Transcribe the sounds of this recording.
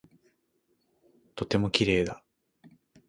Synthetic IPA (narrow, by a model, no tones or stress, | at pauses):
t̪o̞t̪e̞mo̞kʲiɾe̞ːd̪a